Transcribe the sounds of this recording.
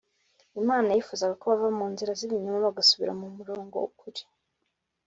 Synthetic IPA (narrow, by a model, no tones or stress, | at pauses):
imaːnajjifuːzaɡakoβavamuːnziɾaziβiɲumaβaɡasuβḭɾa̰mumuɾo̞ːŋɡo̞̰ukuɾi̥